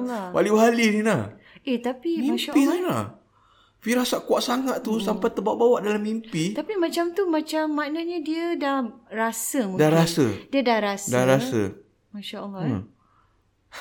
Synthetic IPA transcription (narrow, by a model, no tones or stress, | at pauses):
lwa̰liwɦalininlah | et̪apimiaʃaʔpilala̰h | fiɾasaʔkuaʔsaŋat̪t̪usampajt̪əbaʔbawaʔdalamimpit̪apimãt͡ʃamt̪umãt͡ʃamːanat̪̚ɲadiədahrasəmuŋdahɾasədiədahɾasddaɾasə̰ | maʃaʔəlː